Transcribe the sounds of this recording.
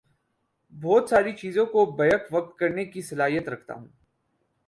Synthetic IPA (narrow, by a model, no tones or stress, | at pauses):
bɔːt̪saːɾit͡ʃiːzõkobɐjəkʰʋɐk̚t̪̚kɐɾnekisɐlaːɦijət̪ɾɐkʰt̪a̰ɦṵ̃ː